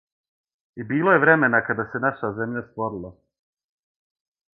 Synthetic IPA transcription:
ibiːlojeʋɾeme̞nakad̪ase̞naʃazemʎast̪ʋoɾilˠa

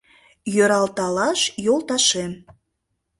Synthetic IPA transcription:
jøɾɑlt̪ɑlɑʃjolˠt̪ɑʃem

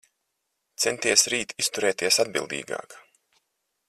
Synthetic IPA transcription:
t̪sɛnt̪iɛsɾiːt̪ist̪uɾɛːt̪iɛsad̪̚bḭlˠd̪ḭːɡɑ̰ːk

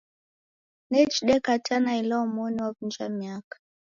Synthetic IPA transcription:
nɛt͡ʃɗɛkatʰanailaɔmɔniwavund͡ʒamiakḁ

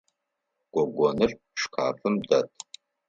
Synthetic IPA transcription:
ɡ̥ʷɔɡʷɔnɨrʼ | ʂkʰa̰ːfɨmdatʼ

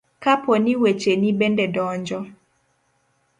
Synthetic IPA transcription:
kapɔniwet͡ʃenibɛndɛdɔːɲd͡ʒɔ

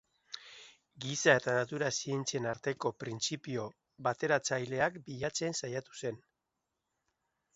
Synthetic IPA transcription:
ɡisae̞t̪anat̪uɾasie̞nt͡sie̞naɾt̪e̞ko̞pɾint͡sipio̞ | βat̪e̞ɾat͡sajle̞akbiʎat͡se̞nsajat̪u̥se̞n

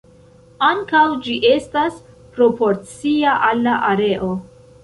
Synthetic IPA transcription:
aŋkawd͡ʒiʔe̞stas | pɾo̞po̞ɾt͡siaʔalːaʔaɾe̞ʔo̞

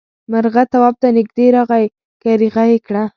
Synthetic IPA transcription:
maɾɣat̪awɑb̚t̪anɪɡ̚d̪eɾɑɣaj | kaɾiɣajekɽa

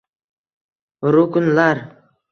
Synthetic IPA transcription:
ɾʊkʊnlaɾ

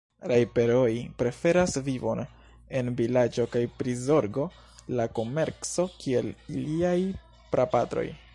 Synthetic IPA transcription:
ɾajpe̞ɾo̞jpɾe̞fe̞ɾasvivo̞̰n | e̞nvilad͡ʒo̞kajpɾizo̞ɾɡo̞ | lako̞me̞ɾt͡so̞kie̞liliaj | pɾapatɾo̞̰j

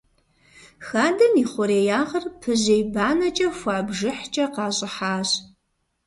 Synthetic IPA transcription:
xaːdɐniːχʷʊɾeːjaːʁɐrpʰɨʑejbaːnɐt͡ʃʼɐxʷɑːbʒɪħt͡ʃʼɐqɑːɕʼɪħaːɕ

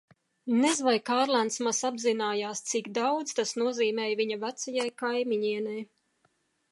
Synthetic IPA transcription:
nɛzvajkaːɾlˠant̪smasabzinaːjaːst̪sikd̪awd̪z̥t̪asnuɔziːmɛːjviɲavæt̪sajajkajmiɲiɛnaj

